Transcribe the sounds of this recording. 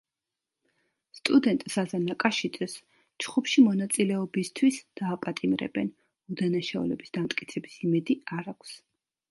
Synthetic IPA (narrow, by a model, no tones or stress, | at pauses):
st̪ʼud̪ɛnt̪ʼsazanakʼaʃit̪ʼɛs | t͡ʃχupʃimɔnat̪sʼilɛɔbist̪ʰwisd̪̥aːpʼat̪ʼimɾɛ̰bɛn | ud̪anaʃaṵlɛ̰bisd̪amt̪ʼkʼit̪sʰɛbisimɛd̪iaɾakʷʰs